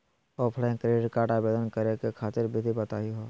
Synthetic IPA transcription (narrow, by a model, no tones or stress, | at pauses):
ɔːpʰɽẽkɾeːɖʈkaːʈabeːd̪ənkəɾekekʰaːt̪ɪɾbʱit̪ibɐt̪aːiɦoː